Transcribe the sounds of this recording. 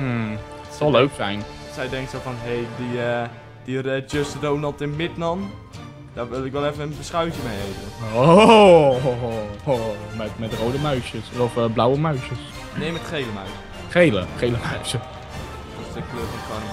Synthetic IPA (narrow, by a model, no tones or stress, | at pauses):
tsɑlˠːøɥksɛjn | sɛjdɛŋktsofɔnɦejdi | d̥irɛd͡ʒøstədoːnəlˠtɪnmɪtnɔn | d̥aʋɪlˠɪkʋɛlˠɛfənənbəsχœwtjəmejeːvəo | omɛtmɛtrowdəmœɥʃjəsɔfblawəmœɥʃəs | neːmɛtχejləmœɥsə | χejlə̰χejləmaɥsə | dɪsdəkløːfɔnkɔrm